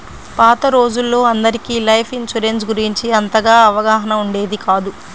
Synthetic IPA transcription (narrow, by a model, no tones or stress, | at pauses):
paːt̪ɐɾo̞ːd͡ʒulːo̞ːɐnd̪ɐɾikilɐjpʰint͡ʃuɾensɡuɾiɲt͡ʃiɐnt̪ɐɡaːɐʋɐɡaːɦɐnɐmuɳɖe̞ːd̪ikaːd̪u